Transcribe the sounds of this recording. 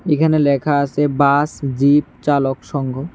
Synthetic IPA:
ekʰanelɛkʰaasʰebasd͡ʑip̚t͡ɕalokʃɔŋɡʱo

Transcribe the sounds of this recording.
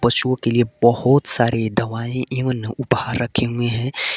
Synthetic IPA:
pɐʃuõkeliebɐhʊt̪saːɾed̪ɐʋaːẽʔẽʋənʊpɦaɾːɐkʰeɦẽɦɛ̃

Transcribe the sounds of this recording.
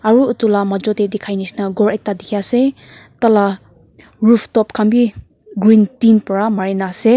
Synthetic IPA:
aɾuutulamad͡ʒɔdedikʰajnisnaɡɔɾej̚tadikʰiase | tala | ɾupʰtɔpkʰambi | ɡɾintinpɔɾamaɾenase

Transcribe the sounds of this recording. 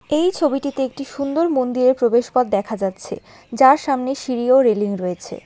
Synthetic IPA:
ejt͡ɕʰobiʈit̪eek̚ʈiʃund̪oɾmond̪iɾeɾpɾobeʃpad̪̚ːɛkʰad͡ʑatːɕʰḛ | d͡ʑaɾʃamneʃiɾioɾeliŋɾoet͡ɕʰḛ

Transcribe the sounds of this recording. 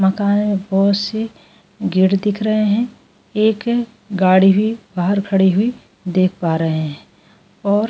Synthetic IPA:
mɐkaːnemẽbɔɦʊt̪se | ɡɪɽd̪ɪkʰɾɐɦeɦɛ̃ | eːk | ɡaːɽiɦʊibaːɦəɾkʰɐɽiɦʊi | d̪eːkʰpaːɾɐɦeɦɛ̃ | ɔːɾ

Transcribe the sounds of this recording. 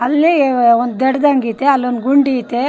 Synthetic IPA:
ɐlːiond̪d̪ɛɽd̪ɐŋɡit̪eɐlːond̪ɡuɳɖit̪e

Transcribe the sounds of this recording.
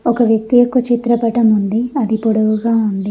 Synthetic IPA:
ɔkɐʋjɐk̚t̪ijɔkːɐt͡ʃit̪ɾɐpɐʈɐmund̪iɐd̪ipoɽɐʋuɡaːund̪i

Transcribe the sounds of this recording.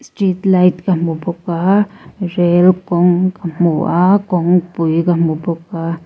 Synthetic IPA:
st̪ɾit̪lajt̪kamuboka | ɾelkoŋkamuakoŋpujkamupoka

